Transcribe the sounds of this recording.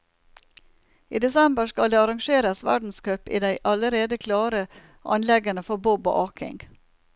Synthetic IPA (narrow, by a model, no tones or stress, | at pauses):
iːd̪ɛsɛmbəʃkɑld̪eːɑɾɑŋʃeːɾəsʋæ̰ɖn̩skœpḭːd̪æɪʔɑləɾeːd̪əkʰlɑːɾə | ʔɑ̰nlɛɡənəfɔbɔbo̰ːʔɑːkʰɪ̰ŋɡ